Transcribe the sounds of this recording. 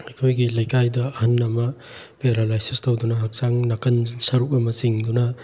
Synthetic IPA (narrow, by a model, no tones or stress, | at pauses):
ɐjkʰojɡilɐjkʰajdɐɐhɐnːɐmɐ | peɾalajsestowdunɐɦɐk̚saŋnɐkɐnsɐɾuk̚ɐmɐsiŋdunɐ